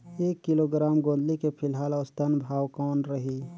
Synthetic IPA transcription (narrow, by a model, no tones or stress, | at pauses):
eːkːɪloɡɾaːmɡõːn̆d̪likepʰɪlɦaːlɔːst̪ənbʱaːwkɔːnɾəɦiː